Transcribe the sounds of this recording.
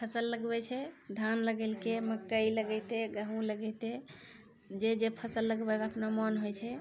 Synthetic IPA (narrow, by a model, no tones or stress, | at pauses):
pʰəsəlːəɡbɛt͡ʃʰɛd̪ʱanləɡɛlkeməkːəiləɡɛjt̪eɡəɦũləɡɛjt̪e | d͡ʒed͡ʒepʰəsəlːəɡbɛkəpnamənɦojt͡ʃʰɛ